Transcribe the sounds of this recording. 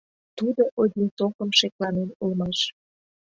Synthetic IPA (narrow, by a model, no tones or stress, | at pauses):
t̪ud̪oʔod̪ʲint̪okəmʃeklɑnenulmɑʃ